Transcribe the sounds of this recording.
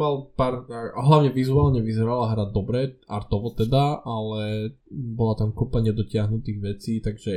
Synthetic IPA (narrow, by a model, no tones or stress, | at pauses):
malpaːɾaɦlaʋʊɲɛʋizuaːlɲɛʋizɛɾalaɦɾadd̪ɔbɾɛʔaɾt̪ɔʋɔt̪ɛd̪aʔalɛ | bɔlat̪amkupaɲɛd̪ɔcɪaɦnut̪iːɣʋɛt͡siːt̪aɡʒɛ